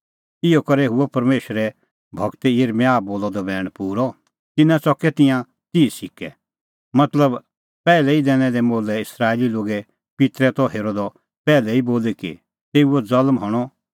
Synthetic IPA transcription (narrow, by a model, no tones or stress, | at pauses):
ɪɔkɐɾɛɦʊɔpɐɾmeːʃɾɛ | bʱɐɡt̪ɛjeɾmaːboːlɔd̪ɔbɛːɽ̃puːɾɔ | t̪ɪnãt͡sɔkɛt̪ɪ̃jã | t̪isɪkɛ | mɐt̪ləb | pɛːlɛid̪ɛːɽ̃ɛd̪ɛmoːlɛɪsɾaːeliloːɡɛ | pɪt̪ɾɛt̪ɔɦeːɾod̪ɔ | pɛːlɛiboːlɛkḭ | t̪eːuɔd͡zɐlmɦɔɽ̃ɔ